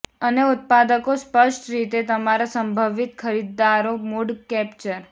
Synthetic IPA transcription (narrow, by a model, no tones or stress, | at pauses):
əneʊt̪̚pad̪əkospəʃʈɾit̪et̪əmaɾasəmbʱəʋit̪kʰəɾid̪ːaɾomuɖkɛpt͡ʃəɾ